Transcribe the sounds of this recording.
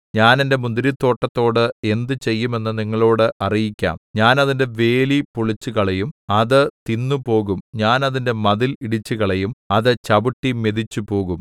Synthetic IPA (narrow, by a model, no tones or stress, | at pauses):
ɲaːnende̞mund̪iɾit̪ːo̞ːʈːɐt̪ːo̞ːɽɨe̞nd̪ɨt͡ɕe̞jːume̞nːɨniŋːɐɭo̞ːɽɨʔɐrijikʲːa̰ːmɲaːnɐðinde̞ʋe̞ːlipuɭit͡ɕːuɣɐɭejumɐðɨt̪inːupo̞ːɣumɲaːnɐðinde̞mɐðiliɽit͡ɕːuɣɐɭejumɐðɨt͡ɕɐbuʈːimeðit͡ɕːupo̞ːɣum